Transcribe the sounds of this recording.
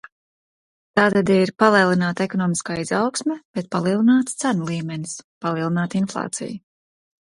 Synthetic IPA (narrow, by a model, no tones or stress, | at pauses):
t̪aːt̪ad̪iɾpalˠiɛlˠinaːt̪ekɔnɔːmiskaːizawksmʲɛb̥ɛt̪̚palˠiɛlˠinaːt̪st̪sænulˠiːmɛnispalˠiɛlˠinaːt̪inflˠɑ̰ːt̪sḭju